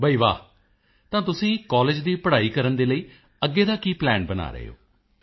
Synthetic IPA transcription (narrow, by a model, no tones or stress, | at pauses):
bʱəiːʋa̰ː | t̪ãːt̪ʊsĩːkɔːleːd͡ʒd̪iːpəɽaːiːkəɾənd̪eːləiː | əɡːeːd̪aːkiːplɛːnbəna̰ːɾə̰ɦḛo̰ː